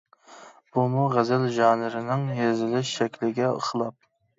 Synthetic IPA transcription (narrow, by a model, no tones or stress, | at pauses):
b̥umuʁæzɪlʒɑːnɪɾɪnɪŋjezɪlɪʃʃɛkʲlɪɡʲɛə̰χʰəlˠɑp̚